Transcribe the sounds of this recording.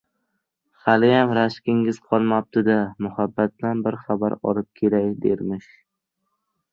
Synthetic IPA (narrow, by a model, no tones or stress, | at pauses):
χalɪjamɾaʃkʲɪŋɪz̥qʰɒlˠmap̚t̪ʰɪd̪amʊhabːat̪̚blanbɪɾχaba̰ɾɒ̰lˠɪp̚kʲʰeɾajd̪ḛɾmɪʃ